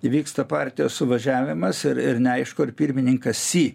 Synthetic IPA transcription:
ʋʲiːkst̪ɐpɑɾʲt̪ʲɪjoːssʊʋɐʒʲæːʋʲɪmɐsɪɾɪɾnʲɛɐɪʃkoːɪɾpʲiɾʲmʲɪnʲɪŋkɐssʲiː

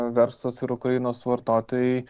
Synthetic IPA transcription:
ʋʲɛɾslˠɐsɪɾʊkɾɐjɪnoːsʋɐɾt̪oːt̪ojɛ

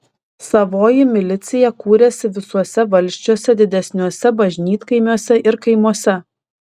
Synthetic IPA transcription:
sɐʋoːjɪmʲɪlʲɪt̪sʲɪjɛkuːɾʲɛsʲɪʋʲɪsuɔsʲɛʋɐlʲsʲt͡ʃʲuɔsʲɛd̪ʲɪd̪ʲɛsʲnʲuɔsʲɛbɐʒʲnʲiːt̪kɐɪmʲuɔsʲɛʔɪɾkɐɪmuɔsʲɛ

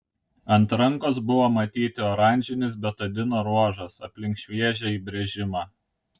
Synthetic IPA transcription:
ɐnt̪ɾɐŋˑkoːsbʊʋomɐt̪ʲiːt̪ʲɪoːɾɑˑnʲd͡ʒʲɪnʲɪs̬bʲɛt̪ɐd̪ʲɪnoːɾuɔʒɐsɐpʲlʲɪŋkʃʲʋʲiɛʒʲɛiːbʲɾʲɛʒʲɪmɑː

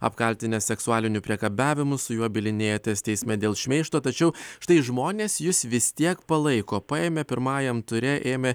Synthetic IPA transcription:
ɐ̰pkɐlʲt̪ʲɪnʲɛsʲɛksʊɑːlʲɪnʲʊpʲɾʲiɛkɐbʲæːʋʲɪmʊsʊjuɔbʲɪlʲɪnʲeːjɛt̪ːsʲt̪ʲɛɪsʲmʲɛd̪ʲeːlˠʃʲmʲɛɪʃt̪oːt̪ɐt͡ʃʲɛʊʃt̪ɐɪʒmoːnʲeːsjɪsʋʲɪsʲt̪ʲiɛkpɐlˠɐɪkoːpɑːeːmʲɛpʲɪɾmɑːjɛmt̪ʊɾʲɛʔeːmʲɛ

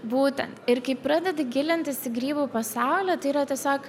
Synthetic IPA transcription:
buːt̪ʲɛnt̪ɪɾkɐɪpɾɑːd̪ʲɛd̪ʲɪɡʲɪlʲɪnʲt̪ʲɪsɪɡɾʲiːbuːpɐsɑʊlʲɛt̪ɐɪiːɾɐt̪ʲɛsʲoːk

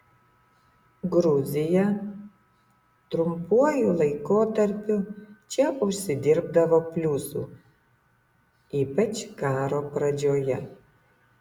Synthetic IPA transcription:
ɡɾʊzʲɪjɛ | t̪ɾʊmpuɔjulˠɐɪkoːt̪ɐɾʲpʲʊt͡ʃʲɛʔʊʃʲsʲɪd̪ʲɪɾbd̪ɐʋoːpʲlʲuːsuː | iːpɐt͡ʃkɑːɾoːpɾɐd͡ʒʲoːjɛ

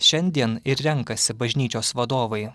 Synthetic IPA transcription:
ʃʲɛnʲd̪ʲiɛnɪɾɾʲɛŋkɐsʲɪbɐʒʲnʲiːt͡ʃʲoːsʋɐd̪oːʋɐɪ

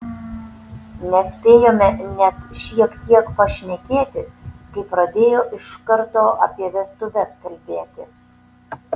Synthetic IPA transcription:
nʲɛsʲpʲeːjoːmʲɛnʲɛt̪ʃʲiɛkt̪ʲiɛkpɐʃʲnʲɛkʲeːt̪ʲɪkɐɪpɾɐd̪ʲeːjoːʔɪʃkɐɾt̪oːɐ̰pʲiɛʋʲɛst̪ʊʋʲɛskɐlʲbʲeːt̪ʲɪ

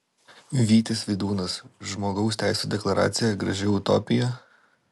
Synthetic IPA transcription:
ʋʲiːt̪ʲɪsʋʲɛd̪uːnɐsʒmoːɡɐʊsʲt̪ʲæɪsʲuːd̪ʲɛklˠɐɾɑ̰ːt̪sʲɪjɛɡɾɐʒʲɛʊʊt̪ɔ̰ːpʲɪjo

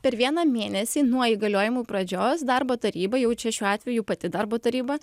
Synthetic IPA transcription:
pʲɛɾʋʲiɛnɑːmʲeːnʲɛsʲiːnuɔiːɡɐlʲoːjɪmuːpɾɐd͡ʒʲoːsd̪ɑɾboːt̪ɐɾʲiːbɐjɛʊt͡ʃʲɛʃʲuːɑːt̪ʲʋʲɛjuːpɐt̪ʲɪd̪ɑɾboːt̪ɐɾʲiːbɐ

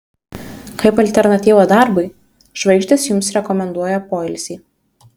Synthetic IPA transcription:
kɐɪpɐlʲt̪ʲɛɾnɐt̪ʲiːʋoːd̪ɑˑɾbɐɪ | ʒʋɐɪʃʲt̪ʲɪsjʊmsɾʲɛkɔmʲɛnd̪uɔjɛpoːɪlʲsʲiː

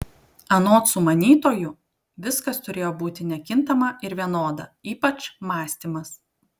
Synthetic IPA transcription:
ɐnoːt̪sʊmɐnʲiːt̪oːjʊ | ʋʲɪskɐst̪ʊɾʲeːjoːbuːt̪ʲɪnʲɛkʲɪnt̪ɐmɐʔɪɾʋʲiɛnoːd̪ɐiːpɐt͡ʃmɑːsʲt̪ʲimɐs

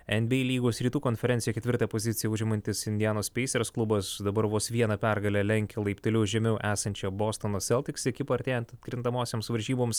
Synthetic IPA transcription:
ɛnʲbʲɛɪlʲiːɡoːsɾʲiːt̪uːkonʲfʲɛɾʲɛnt̪sʲjɛkʲɛt̪ʋʲɪɾt̪ɐpozʲɪt̪sʲɪjɛʊʒʲɪmɐnʲt̪ʲɪsɪnʲd̪ʲɪjæːnoːsʲpʲɛɪsʲɛɾsklˠʊbɐsd̪ɐbɐɾʋoːsʋʲiɛnɐpʲæɾɡɐlʲɛlʲɛŋʲkʲɛlˠɐɪpʲt̪ʊlʲɛːʒʲɛmʲɛʊʔæːsɐnʲt͡ʃʲoboːst̪onoːsʲɛlˠʲt̪ʲɪksʲɪɐkʲɪpoɐɾʲt̪ʲeːjɛnt̪ɐt̪kɾʲɪnt̪ɐmoːsʲeːmsʋɐɾʲʒʲiːboːms

